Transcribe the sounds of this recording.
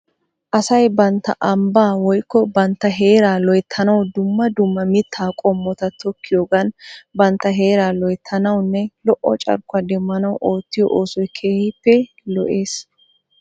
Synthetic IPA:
ʔɐsɐjbɐnt̪ːɐ̰ʔɐmbaːwɔjkːɔbɐnt̪ːɐɦe̞ːɾaːlɔjt̪ʰːɐnɐwd̪ʊmːɐd̪ʊmːɐmɪt̪ʰːaːkʼɔmːɔt̪ɐt̪ʰɔkːɪjoːɡɐnbɐnt̪ːɐɦe̞ːɾaːlɔjt̪ʰːɐnɐwnːɛlɔʔːɔ̰t͡ʃʼɐ̰ɾkːʊɐd̪ɛmːɐnɐwʔo̞ːt̪ːɪjɔ̰ʔoːsɔjkʰeːhɪpːɛ | lɔʔe̞ːs

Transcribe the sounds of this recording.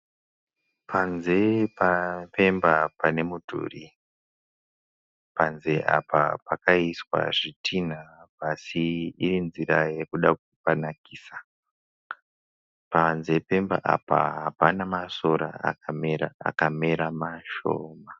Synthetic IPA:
pʰanze̞pape̞mbapane̞mudʱṵri | panze̞ʔa̰pa̰pakaiswa̰ʐitʰin̤apasiirinziɾaje̞kuɗakupanakisa | panze̞pe̞mbaʔa̰pa̰ɦapanamaso̞ɾa̰a̰kameɾaa̰kame̞ɾamaʃo̰ːma

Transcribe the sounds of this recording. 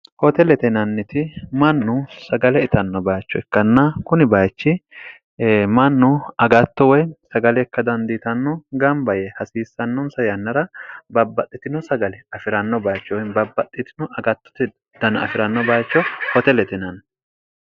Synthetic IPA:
hɔt̪ɛlɛt̪ɛnɐnːɪt̪ɪmɐnːʊsɐɡɐlɛɪt̪ɐnːɔbaːjt͡ʃːɔɛkːɐnːɐkʊnɪbaːt͡ʃːɪ | mɐnːʊɐɡɐt̪ːɔwɔjnsɐɡɐlɛɛkːɐd̪ɐnd̪iːt̪ɐnːɔɡɐmbɐjɛhɐsiːsːɐnːɔnsɐjɐnːɐɾɐbɐbːɐt̪ʼːɪt̪ɪnɔsɐɡɐlɛɐfɪɾɐnːɔbaːt͡ʃːɔwɔjnbɐbːɐt̪ʼːɪt̪ɪnɔʔɐɡɐt̪ːɔ̥t̪ɪ | d̪̥ɐnɐ̰fɪɾɐnːɔbaːjt͡ʃːɔhɔt̪ɛlɛt̪ɛnɐnː

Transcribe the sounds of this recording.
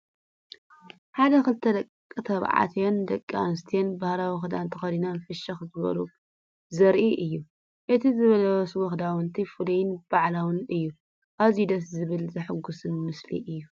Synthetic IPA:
ħad̪ɐxɨlt̪ʰɐd̪ɐkʼːɨt̪ʰɐβʕa̰t̪ʰjond̪ɐkʼːa̰nɨst̪ʰijenbahɾawɔxd̪ant̪ʰɐxɐd̪inanfɨʃɐxzɨβɐ̰lu | zɐɾʔiʔɨjːu | ʔɨt̪ʰizɨβɐlɐwswɔxd̪awɨnt̪ʰifɨlijɪnb̥aʕlawɨnɨjːu | ʔaβzid̪ɐszɨβɨlzɐħɨɡusɨnmɨslḭʔɨjːu

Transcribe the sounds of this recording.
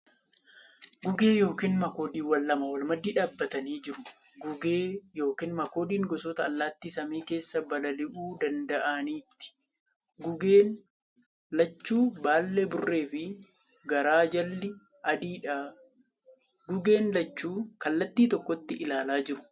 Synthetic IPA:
ɡʊɡe̞ːjo̞ːkiːnmɐko̞ːd̪iːwɐlːɐmɐwɐlmɐd̪iːᶑaːbːɐt̪ɐniːd͡ʒɪɾʊ | ɡʊɡeːjo̞ːkiːnmɐko̞ːd̪iːŋɡɔsɔt̪ɐːlːaːt̪ːiːsɐmiːke̞ːsːɐbɐlɐlɪʔuːd̪ɐnd̪ɐʔɐniːt̪ːɪ̥ | ɡʊɡeːn | lɐt͡ʃːuːbaːlːebʊrːe̞ːfɪ | ɡɐɾaːd͡ʒɐlːɪ | ʔɐd̪iːᶑa | ɡʊɡe̞ːnlɐt͡ʃːuːkɐlːɐt̪ːiːt̪ɔkːɔt̪ːɪʔɪlaːlaːd͡ʒɪɾʊ̥

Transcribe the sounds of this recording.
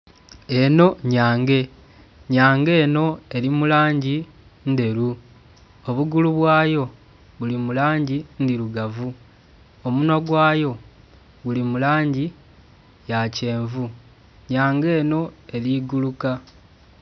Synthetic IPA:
e̞no̞ɲaːŋɡe̞ | ɲaːŋɡe̞ːno̞e̞ɾimulaːɲɟi | nde̞ɾu | o̞βuɡuluβwaːjo̞ | βulimulaːɲɟindiɾuɡavu | omuno̞ɡwaːjo̞ | ɣulimulaːɲɟi | jace̞ːɱvu | ɲaːŋɡe̞ːno̞e̞ɾiɡuluka

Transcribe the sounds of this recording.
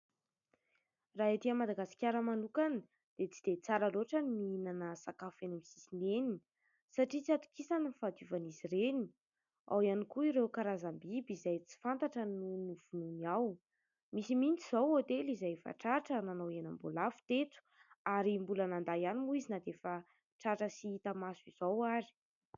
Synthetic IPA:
raɦit̪iəmad̪aɡasi̥kʲaɾəmanukani | d̪̥et͡sid̪̥et͡saɾəloʈ͡ʂənmiinanəsakafenamisisineni | saʈ͡ʂit͡siat̪u̥kisanənifad̪uvanizireni̥ | a̰wianikuiɾewkaɾazambibizajt͡si̥fant̪aʈ͡ʂənunuv̥ununiaw | misimint͡siz̥owot̪elizajfa̰ʈ͡ʂaʈ͡ʂənanowena̰mbolafu̥t̪et͡s̪u̥aɾimbulənand̪ajanimuizinad̪efa | ʈ͡ʂaʈ͡ʂəsiit̪amasiz̥owaɾi̥

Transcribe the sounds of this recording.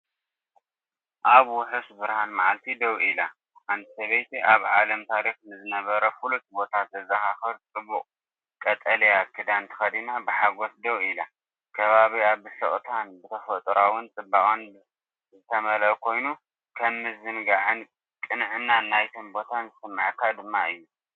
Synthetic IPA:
ʔaβuħɨfsbɨɾhanmaʕalt̪ʰid̪ɐwila | ʕant̪ʰi̥sɐβɐjt̪ʰiʔaβʕa̰lɐmt̪ʰaɾixnɨzɨnɐβɐɾɐfulut̪bo̞t̪ʰat̪zɐzɐxaxɐɾt͡sʼɨbːuqʼ | kʼɐt̪ʼɐlijakʰɨd̪ant̪ʰɨ̥xɐd̪inabɨħaɡo̞sd̪ɐwila | kʰɐβaβiaβɨsɐʔʼt̪ʰanbɨt̪ʰɐfɐt̪ʼɾawʊnt͡sʼɨbːakʼon | zɨt̪ʰɐmɐlkʰo̞jnu | kʰɐmːɨzɨnɡaʕɨn | kʼɨnʕɨnːanajt̪ʰombo̞t̪ʰanzɨsɨmːaʕkʰːad̪ɨmːaɨjːu

